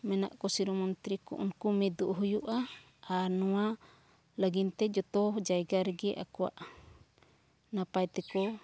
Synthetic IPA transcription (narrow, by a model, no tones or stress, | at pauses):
mɛna̰ʔkɔsiɾɔmɔnt̪ɾikṵʔṵnkumɛd̪uʔɦujuʔa | anua | laɡint̪ɛd͡ʒɔt̪ɔd͡ʒaiɡaɾɛɡɛʔa̰kua̰ʔ | napajt̪ɛkɔ